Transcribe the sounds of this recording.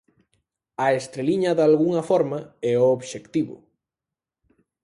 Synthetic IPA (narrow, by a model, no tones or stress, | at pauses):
ɐest̪ɾeliɲɐðalɣuŋɐfɔɾmɐɛooβʃekt̪iβʊ̰